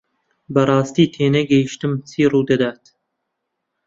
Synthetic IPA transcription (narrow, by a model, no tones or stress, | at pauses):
bɐrˤɑːst̪iːt̪ʰeːnɛɡɛjiʃt̪ɨmt͡sʰiːruːd̪ɐd̪aːt̪